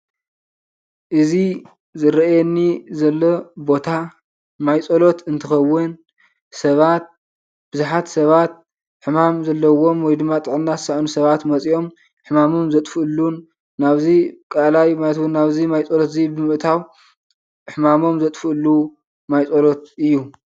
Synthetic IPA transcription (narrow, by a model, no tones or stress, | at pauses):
ʔɨzi | zɨɾɐʔjenːizɐlːobo̞t̪ʰa | majt͡sʼolo̞t̪ɨnt̪ʰɨxɐwːʊn | sɐβat̪̚ | b̥ɨzuħat̪sɐβat̪̚ | ħɨmamzɐlːɐwo̞mwɔjd̪ɨmːat̪ʼɨʕɨnːazɨsaʔanusɐβat̪mɐt͡sʼiʔo̞m | ħɨmamomzɐt̪ʼfɨɨlːunː | aβzikʼalajmajt̪wunːaβzimajt͡sʼolot̪ɨzibɨmɨʔt̪ʰaw | ħɨmamo̞mzɐt̪ʼfɨɨlːu | majt͡sʼolo̞t̪̚ʔɨjːu